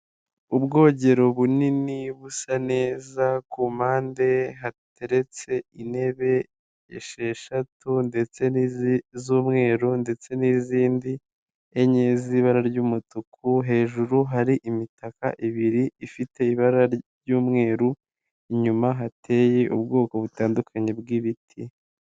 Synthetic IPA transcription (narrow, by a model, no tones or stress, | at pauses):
ubɡo̞ːɟe̞ɾoβuniniβusane̞ːzakumaːnde̞ɦateɾe̞t͡se̞ine̞βe̞ | ḛʃe̞ʃatunde̞t͡se̞nizuːmŋe̞ːɾunde̞t͡se̞niziːndi | eɲeziβaɾaɾɟuːmutukʰuɦe̞ːʒuɾuɦaɾiʔimitaka̰ʔiβiɾiifite̞iβaɾaɾjuːmŋe̞ːɾu | iɲumaɦatʰe̞ːje̞ʔubɡo̞ːko̞βutaːndukʰaɲe̞bɡiβitʰi